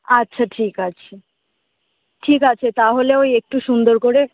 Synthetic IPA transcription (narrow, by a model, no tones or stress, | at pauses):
atːɕʰaʈʰikat͡ɕʰe | ʈʰikat͡ɕʰet̪aɦoleojek̚ʈuʃund̪oɾkoɾe